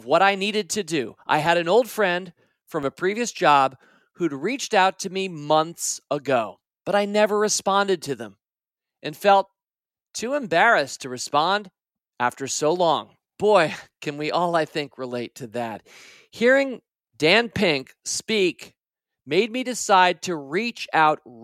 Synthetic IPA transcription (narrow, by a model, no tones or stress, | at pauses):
ʌvwʌɾaɪniɾɨd̚tʰɨdɨʔa̰ɪɨɾɨ̃noʊlˠd̥fɹɛ̃nd̥ | fɹʌ̃mɨpʰɹ̥iviɨsd̥ʒ̥ɑb | hʉd̚ɹit͡ʃtaʊtʰɨmimʌ̃nθsəɡoʊ | b̥ʌɾaɪnɛvə˞ɹɨspɑ̃ndɨd̚tʰɨðə̰̃m | ʔɨ̃nfɛlˠtʰ | ʉɨ̃mbɛɹɨstʰɨɹɨspɑ̃nd | æftə˞soʊlɔ̃ŋ | b̥ɔɪkʰɨ̃nwiʔɔlˠaɪθɪ̃ŋkɹəleɪtʰɨðæ̰t̚ | hiɹɪ̃ŋ | d̥æ̃npʰɪ̃ŋk | spik | meɪd̚midɨsaɪd̚tʰɨɹit͡ʃaʊt̚